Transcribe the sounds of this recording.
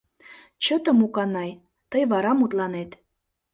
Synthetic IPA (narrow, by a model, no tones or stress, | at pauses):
t͡ɕət̪ə̆mukɑnɑj | t̪əjβɑɾɑmut̪lɑnet̪